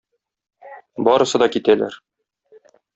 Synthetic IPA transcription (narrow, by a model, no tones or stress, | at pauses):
bɒɾɤ̆sɤ̆d̪ɒkit̪ælæ̰ɾ